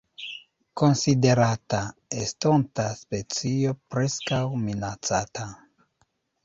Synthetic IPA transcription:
ko̞nside̞ɾataestontaspe̞t͡siopɾe̞skawminat͡satʰa

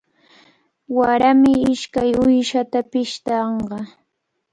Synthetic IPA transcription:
waɾamɪɪʃkajʊjʃat̪apɪʃt̪ɑɴɢɑ

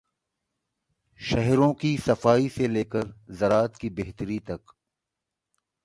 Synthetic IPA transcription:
ʃɐɦɾõkisɐfaːiseleːkəɾzɐɾaːt̪kibeɦt̪əɾit̪ɐk

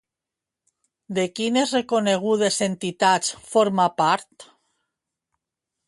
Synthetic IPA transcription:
d̪ekinesrekoneɣ̞uðesent̪it̪at͡sfoɾmapaɾt̪

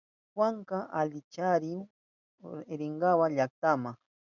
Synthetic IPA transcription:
xwaŋɢɑʔalɪt͡ʃaɾɪ | eɾeɴɢɑwaʎak̚t̪amaχ

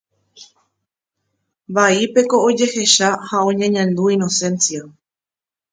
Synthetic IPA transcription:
baipe̞ko̞od͡ʒe̞he̞ʃahaõ̞ɲãɲãnd̪uĩno̞sẽ̞nsia

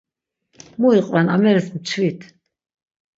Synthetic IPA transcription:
muiqʼvɛnamɛɾɛsmt͡ʃʰvit̪ʰ

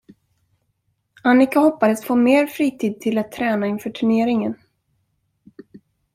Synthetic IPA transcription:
anːɪkahɔpːad̪əsfoːmeːɾfɾiːt̪ʰiːd̪̚t̪ʰɪlat̪ʰːɾɛːnaɪnfœːʈʰɵɳeːɾɪŋən

